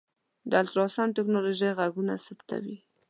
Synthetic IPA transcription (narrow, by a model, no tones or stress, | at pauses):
d̪əalt̪ɾɑsɑnʈɪknoloʒijɣaɡuna̰sapt̪a̰wi